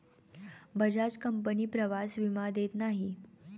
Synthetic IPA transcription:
bəd͡ʑad͡zkəmpəniːpɾəʋasʋimad̪et̪naɦi

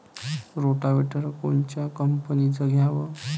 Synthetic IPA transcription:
ɾoʈabeʈəɾkont͡ɕakəmpənid͡zəɡjãbə

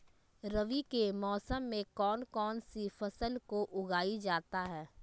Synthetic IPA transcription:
ɾɐʋikemɔːsəmːẽkɔːnkɔːnsifɐsəlkoʔʊɡaːid͡ʒaːt̪aɦɛː

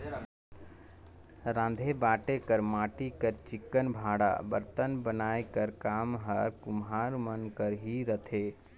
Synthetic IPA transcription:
ɾãːn̆d̪ʱebaːʈekəɾmaːʈikəɾt͡ʃɪkːənbʱaːɽa̰bə̰ɾt̪ənbənaːekəɾkaːmɦəɾkʊmɦaːɾmənkəɾɦiɾət̪ʰeː

